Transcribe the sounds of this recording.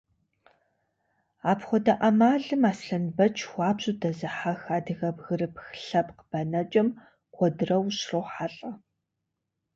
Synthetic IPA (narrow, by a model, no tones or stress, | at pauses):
aːpχʷɔdɐʔɐmaːɮɨmaːsɬɐnbɐt͡ʃʰwʷɑːbʑʼʊdɐzɨħaxaːdɨɣɐbɣɨrɨpxɬɐpqb̥ɐnɐt͡ʃʼɐm | qʷɔdɨrɐwɕrɐwħaɬʼɐ